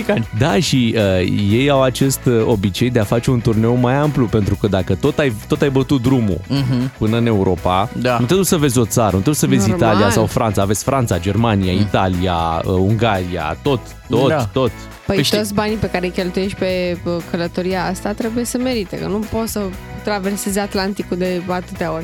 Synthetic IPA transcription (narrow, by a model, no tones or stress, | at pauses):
kad̪aʃiəje̞jawat͡ʃe̞st̪o̞bit͡ʃe̞jd̪e̞afat͡ʃe̞unt̪urne̞wmajamplupe̞nt̪ɾukəd̪akət̪o̞t̪ajt̪o̞t̪ajbət̪ut̪̚d̪ɾumṵpɨnəɨne̞uɾo̞pannut̪ɾebjesəve̞zʲo̞t̪saɾənut̪ɾebjesəve̞zʲit̪alijasawfɾant̪saːvetsʲfɾʔant̪sad͡ʒe̞rmaniait̪alia̰əuŋɡaɾia̰t̪o̞t̪ːo̞t̪t̪o̞t̪ | pəj̪o̞t̪sʲbanipe̞kaɾejkʲe̞lt̪uje̞ʃt̪ʲpe̞əkələt̪o̞ɾijaast̪at̪ɾe̞buje̞səme̞ɾit̪ḛkənupo̞t̪sə | t̪ɾave̞rse̞zeat̪lant̪ikud̪e̞at̪ɨt̪eao̞rʲ